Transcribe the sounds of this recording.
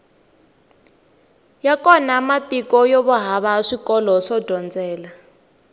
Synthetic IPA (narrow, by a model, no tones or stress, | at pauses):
jakɔnamatikɔjoβuɦaβaʂikɔlɔʂɔdʱɔnd͡zɛːla